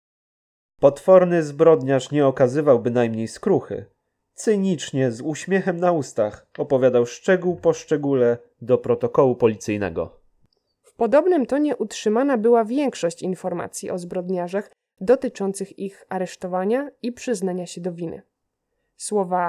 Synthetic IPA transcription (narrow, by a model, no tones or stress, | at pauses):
pɔt̪fɔɾnɘzbɾɔd̪ɲaʂɲɛɔkazɘvawbɘnajmɲejskɾuxɘ̰ | t̪sɘɲit͡ʂɲɛzuɕmʲjɛxɛmnaust̪ax | ɔpɔvʲjad̪awʂt͡ʂɛɡuwpɔʂt͡ʂɛɡulɛ | d̪ɔpɾɔt̪ɔkɔwupɔlʲit̪sɘjnɛ̰ɡɔ̰ | fpɔd̪ɔbnɘmt̪ɔɲɛʔutʂɘmanabɘwavʲjɛŋkʂɔɕt͡ɕinfɔɾma̰t̪sʲjiʔɔzbɾɔd̪ɲaʐax | d̪ɔt̪ɘt͡ʂɔnt̪sɘxixaɾɛʂt̪ɔvaɲaipʂɘznaɲaɕɛd̪ɔvʲinɘ̰ | swɔva